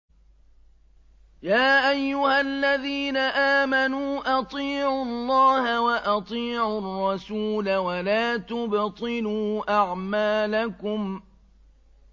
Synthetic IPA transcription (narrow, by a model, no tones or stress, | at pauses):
jaːʔajːʊhalːaðiːnaʔaːmanuːʔɑt̪ˤiːʕʊlˤːɑːhawaʔɑt̪ˤiːʕʊrˤːɑsuːlawalaːt̪ʊbt̪ˤɨluːʔaʕmaːlakʊm